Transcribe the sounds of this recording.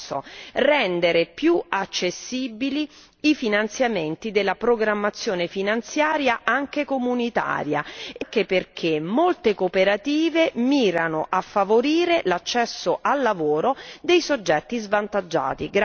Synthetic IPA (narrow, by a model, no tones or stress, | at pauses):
o̰rɛnd̪eɾepjuat͡ʃːesːiːbili | ifinant̪sjament̪id̪elːapɾoɡɾamːat̪sːjoːnefinant̪sjaːɾjaʔaŋk̟ekomunit̪a̰ːɾja̰ŋkeperkʰemːolt̪ekopeɾat̪iːvemiːɾanoʔafːavoɾiːɾelat͡ʃːɛsːoʔalːavoːɾod̪ejsod͡ʒːɛt̪ːizvant̪ad͡ʒːa̰ːt̪iɡ